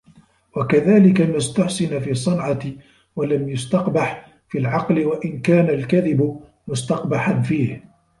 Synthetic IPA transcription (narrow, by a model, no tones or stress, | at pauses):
wakaðaːlɪkamast̪aħsɪnafiːsˤːɨnʕɑ | walamjʊst̪ɑqbaħ | fiːlʕɑqlɪwaʔɪnkaːnalkaðɪbʊ | mʊst̪ɑqbaħanfiːh